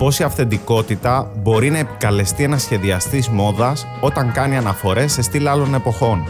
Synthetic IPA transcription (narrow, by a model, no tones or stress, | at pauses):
po̞siɐfθe̞nd̪iko̞t̪it̪ɐbo̞ɾinɐe̞pi̥kɐle̞st̪ienɐsçe̞ðiɐst̪izmo̞ðɐs | o̞t̪ɐŋkɐniɐnɐfo̞ɾe̞se̞st̪ilɐlo̞ne̞po̞xo̞n